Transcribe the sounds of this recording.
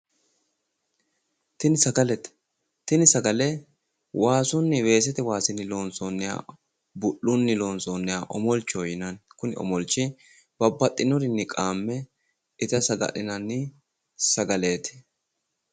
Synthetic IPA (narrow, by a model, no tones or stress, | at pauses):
t̪ɪnɪsɐɡɐlɛt̪ | t̪ɪnɪsɐɡɐlɛ | wʔaːsʊnːɪwe̞ːs̬ɛt̪ɛwaːsɪnɪlo̞ːnsonːɛja̰ː | bʊʔːʊnːɪlo̞ːnsoːnːɛjaːʔɔmɔlt͡ʃːɔjɪnɐnkʊnɪ̰ɔ̰mɔlt͡ʃːɪ | b̥ɐbːɐt̪ʼːɪnɔɾɪnːɪkʼaːmːɛ | ɪt̪ɐsɐɡɐ̰ɗɪnɐnːɪ | sɐɡɐleːt̪ɛ̥